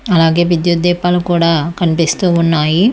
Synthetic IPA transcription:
ɐlaːɡeːʋid̪jueːpaːlukuːɽakɐnpest̪uunːaːji

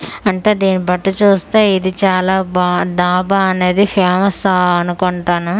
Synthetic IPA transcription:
ɐɳʈe̞ːd̪iːnibɐʈːɐt͡ʃuːst̪eːid̪it͡ʃaːlaːbaːd̪aːbaːɐne̞ːd̪ipʰeːmɐsɐnukoɳʈaːnu

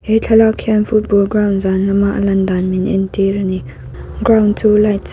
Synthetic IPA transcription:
ʔɛjt͡ɬʰalakʰɛnfut̚bɔlɡrawnzanlɐmaʔəlɐndanminʔɛ̰ntirani | ɡrawntʰulajt

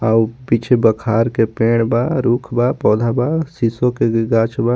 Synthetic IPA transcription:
aupit͡ʃʰebəkʰaɾkepeɽbaɾukʰbapɔːd̪ʱabasisokeɡat͡ʃʰba

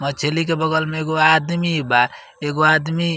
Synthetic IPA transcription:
mət͡ʃʰelikebəɡəlmeeɡoad̪miba | eɡoad̪mi

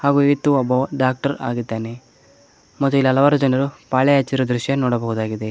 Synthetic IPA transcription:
haːɡuiit̪ːuɐboːɖaːk̚ʈɐɾa̰ːɡid̪ːaːne | mɐt̪ːuilːɐlɐʋaːɾud͡ʒɐnɐɾupaːɭɛjat͡ʃːiɾud̪ɾuʃjɐnɔːɽɐbɐɦud̪aːɡid̪e̞

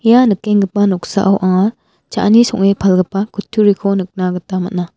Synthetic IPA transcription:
ijanɯkːeŋɡɯpːanɔk̚sa̰ʔawʔaŋa | t͡ʃa̰nisɔŋepʰalɡɯpːakʰutʰːuɾikʰonɯk̚naɡɯtamatna

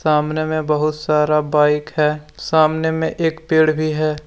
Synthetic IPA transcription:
saːmnemẽbɐɦʊt̪saːɾabaːɪkɦɛːsaːmnemẽʔeːkpeːɽbʱiɦɛː

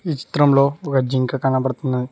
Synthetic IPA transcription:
it͡ʃi̥t̪ɾɐmloɡɐd͡ʒiŋkakanapɐɾt̪ɐnːɐ

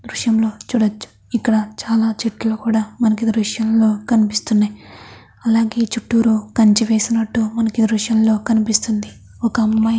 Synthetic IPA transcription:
d̪ɾuʂjɐmlo̞ːt͡ʃuːɽɐt͡ʃːu̥ | ikːɐɽɐt͡ʃaːlaːt͡ʃeʈːɐlukuːɽaːmɐnɐkid̪ɾuʂjɐmlo̞ːkɐnipist̪unːaːj | ɐlaːɡe̞ːt͡ʃuʈːuːɾukɐɲt͡ʃiʋe̞ːsinɐʈːumɐnɐkid̪ɾuʂjɐmlo̞ːkɐnipist̪und̪i | ɔkɐːmːɐj

